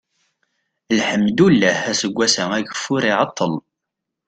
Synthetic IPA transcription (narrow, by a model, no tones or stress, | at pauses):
lħəmd̪ulːæhæsəɡʷːæsæŋæɡəfːʊɾiʕɑt̪ˤːəl